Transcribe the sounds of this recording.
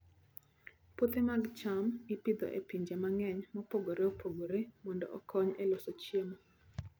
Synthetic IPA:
pot̪emaɡt͡ʃamɪpid̪ɔ̰ʔḛpiɲd͡ʒemaŋɛɲmɔpoɡoɾeopʰoɡoɾemɔndɔ̰ʔɔ̰kʰɔɲelosot͡ʃjemo

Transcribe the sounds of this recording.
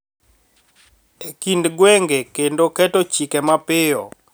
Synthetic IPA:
ekindɡwɛŋɡekendokɛtot͡ʃikɛmapɪɔ̰

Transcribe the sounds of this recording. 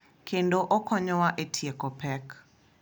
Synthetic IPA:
kʰendoʔɔkɔɲɔwaʔetʰjekɔpɛk

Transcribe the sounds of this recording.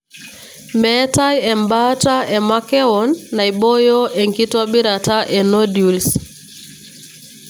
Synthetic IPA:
mɛtajɛmbataɛmakɛɔnːaiɓɔjɔʔɛŋkitaɓiɾataʔɛnɔdjuls

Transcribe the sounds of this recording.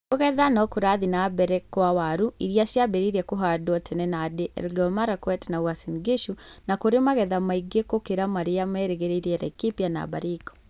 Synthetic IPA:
koɣɛðanɔkoɾaðinabɛɾɛkwawaɾuiɾiasjabeɾiɾɛkoɦadwɔtʰɛnɛnadeʔɛ̰lɡɔmaɾakwɛtnawasinɡeʃunakoɾemaɣɛðamaiɡekokeɾamaɾeamɛːɾeɣeɾeiɾeɛɾɛ̰kipjana̰ba̰ɾikɔ̥

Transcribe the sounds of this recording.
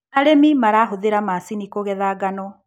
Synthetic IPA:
naɾemimaɾaɦoðeɾamasinikoɣɛðaːɡanɔ

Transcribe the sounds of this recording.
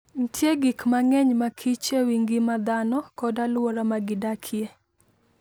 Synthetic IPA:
ntʰjeɡikmaŋɛɲmakʰit͡ʃewiŋɡɪmad̪anɔkɔdalwɔɾamaɡɪdakʰje

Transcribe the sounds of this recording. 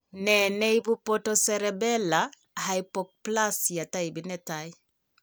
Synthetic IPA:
nɛnɛibupɔtɔsɛɾɛbɛla | hajpɔk̚plasjataibinɛtaj

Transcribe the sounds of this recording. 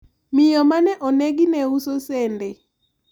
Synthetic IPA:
mɪjɔmanɛʔɔnɛɡɪnɛusosɛnde

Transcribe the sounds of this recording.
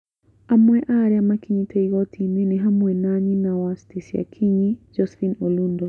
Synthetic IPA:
amwɛʔaɾjamakiɲiteiɣɔtʰiminiɦamwɛnaɲinawastisja̰kʰiɲid͡ʒɔsfinolundɔ

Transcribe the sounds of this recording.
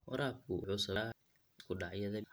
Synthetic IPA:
wɐ̰ɾaːb̚kʰʊʊħʊsɐ | kʰʊɖɑʕjɐðɐ

